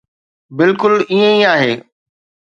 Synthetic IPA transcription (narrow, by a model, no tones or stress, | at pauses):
bɪlkʊliːẽiaːɦeː